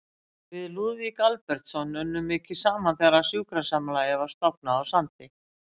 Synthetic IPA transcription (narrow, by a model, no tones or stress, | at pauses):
vɪðluːðvikalpɛɾ̥t̪sɔnʏnːʏmːɪcɪsaːmanθaɾasjuːkɾasaːmalajavḁst̪ɔpnaːwsant̪ɪ